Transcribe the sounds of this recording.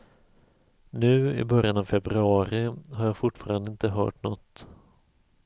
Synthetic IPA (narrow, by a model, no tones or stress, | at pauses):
nʉ̟ːɪ̰bœɾjanavfɛbɾɵɑːɾɪɦaɾjaːfʊʈːfɑːɾand̪əɪnt̪əɦœ̰ːʈnɔt̪ː